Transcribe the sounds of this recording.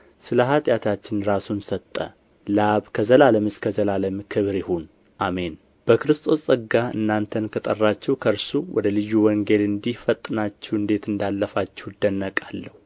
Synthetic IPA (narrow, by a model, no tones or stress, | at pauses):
sɨləɦat̪ʼjat̪ʰat͡ʃːɪnɾasunsət̪ʼːə̰ | laβkʰəzəlaləmɨskʰəzəlaləmkʰɨβɾɪhun | ʔame̞n | b̥əkɨɾɨst̪ʼʰo̞ssʼɨɡaɨ̰nːant̪ʰənkʰət̪ʼərːat͡ʃːɛwkʰəɾsuwʔɔ̰d̪əlɨjːuwɔŋɡe̞lɨnd̪ihfət̪ʼːɨnat͡ʃːɛwɨnd̪e̞t̪ɨnd̪alːəfat͡ʃːɛwd̪ənːəkʼalːəhuu